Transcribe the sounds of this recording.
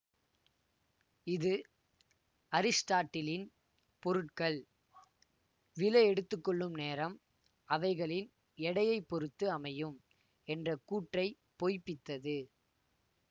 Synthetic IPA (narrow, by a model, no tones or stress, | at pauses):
ɪðɯ | ɐɾɪsʈaːʈːɪlɪn | pɔɾɯʈkɐɭ | ʋɪlɐɛɽɯt̪ːɯkːɔɭːɯmneːɾɐm | ɐʋɐɪɣɐɭɪn | ɛɽɐjɐɪpːɔɾɯt̪ːɯɐmɐjɯm | ɛndrɐkuːʈrɐɪ | poːjpːɪt̪ːɐðɯ